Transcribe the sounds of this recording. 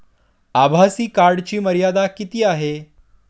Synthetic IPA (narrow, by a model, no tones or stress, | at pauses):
abʱasiːkaɾɽt͡ɕiːməɾjad̪akit̪iːaɦe